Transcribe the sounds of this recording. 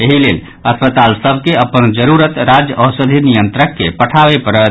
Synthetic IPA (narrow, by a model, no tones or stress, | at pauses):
eɦilel | əspət̪alsəbʱkeəpənd͡ʒəɾuɾət̪ɾad͡ʒjəʔəsəd̪ʱinijənt̪ɾəkːepəʈʰabepəɾət̪